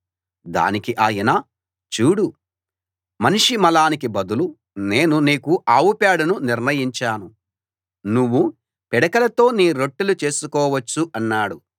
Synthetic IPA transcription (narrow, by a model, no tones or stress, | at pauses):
d̪a̰ːnikiʔaːjɐnaː | t͡ʃuːɽu | mɐniʂimɐlaːnikibɐd̪ulu | ne̞ːnuniːkuʔaːwupaːɽɐnuniɾnɐjiɲt͡ʃaːnu | nuʋːu | pɛɽɐkɐlɐt̪o̞ːniːɾo̞ʈːulut͡ʃe̞ːsukɔːʋɐt͡ʃːuʔɐnːaːɽu